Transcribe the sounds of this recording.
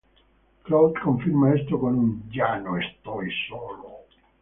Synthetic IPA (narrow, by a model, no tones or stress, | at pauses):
klawt͡ʃkoɱfiɾmaest̪okonunɟanoest̪ɔjsɔːlo